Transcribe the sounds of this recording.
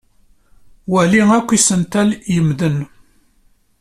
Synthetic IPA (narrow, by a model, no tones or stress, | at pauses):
wæliŋækʷːisənt̪æljəmðən